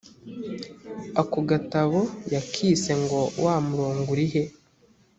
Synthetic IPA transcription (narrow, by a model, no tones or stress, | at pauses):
akoɡataβojakʰiːse̞ŋɡo̞wʔamuɾoːŋɡuɾiɦe